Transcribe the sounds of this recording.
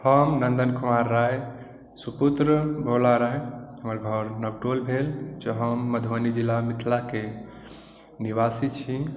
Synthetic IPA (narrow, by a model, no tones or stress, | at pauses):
həmnənd̪ənkʰumaɾːaj | suput̪ɾəbʱolaɾajɦəməɾɡʱʌɾnəɡ̚ʈolbʱeld͡ʒɔɦəmːəd̪ʱʋənid͡ʒilːamit̪ʰlake | niʋasit͡ʃʰi